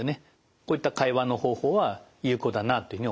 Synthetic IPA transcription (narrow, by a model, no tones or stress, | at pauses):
ene | koːit̪ːakaiβano̞ho̞ːho̞ːβajɯ̟ːko̞d̪anat̪oiɯ̟i